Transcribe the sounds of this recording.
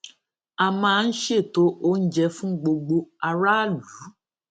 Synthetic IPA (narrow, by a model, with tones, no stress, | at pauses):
a˧mãː˧˦˧n̩˦ʃe˦˨to˦o˦n̩˦d͡ʒɛ˧fũ˦ɡ͡bo˧ɡ͡bo˧a˧ɾa˦˨lu˨˦